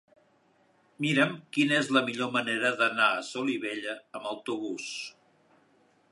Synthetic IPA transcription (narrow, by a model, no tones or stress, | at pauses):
miɾəmkinəezləmiʎoməneɾəðənaəsoliβeʎəːməwt̪uβ̞us